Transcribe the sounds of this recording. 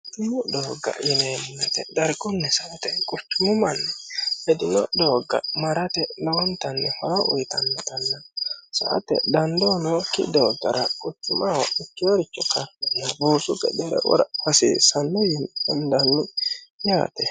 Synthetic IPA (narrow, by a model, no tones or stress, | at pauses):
t̪ːʊmʊd̪oːɡːɐ̰jɪnemʊnɛt̪ɛ̰d̪ɐɾɡɔnːɛsɐʔt̪ɛkʼʊt̪ːʊmʊmɐnːɛhɛd̪ɪnɔd̪oːɡːɐ̰mɐɾɐt̪ɛlɔwɔnt̪ɐnːɛhɐɾɐʔʊ̰jt̪ɐnːɛt̪ɐnːɐsɐ̰ʔt̪ɛ̰d̪ɐnd̪onɔkːɪ̰d̪oːɡɐɾɐkʼʊt̪ːʊmɐwɔɪkːɪwɔɾɪt͡ʃːɔkaɐnːɐbuːsʊkɛ̰d̪ɛɾɛ̰wɔ̰ɾɐhɐsḭːsɐnːɔjɪnɛnd̪ɐnːʊja̰ːt̪ɛ